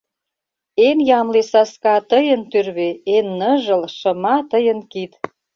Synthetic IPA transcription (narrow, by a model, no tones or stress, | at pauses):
enjɑmlesɑskɑt̪əjə̆nt̪yrβeenːəʒə̆lʃə̆mɑt̪əjənkit̪